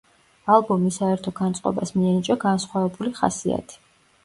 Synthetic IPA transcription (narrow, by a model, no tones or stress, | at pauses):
alˠbɔmisaɛɾt̪ʰɔɡant̪sʼqʼɔ̰basmiɛnit͡ʃʼɔɡansχwavɛbuliχa̰sia̰t̪ʰi̥